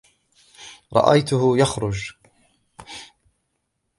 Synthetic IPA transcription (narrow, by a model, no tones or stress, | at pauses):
ɾˤɑ̰ʔa̰jt̪ʊɦʊjaxɾʊd͡ʒ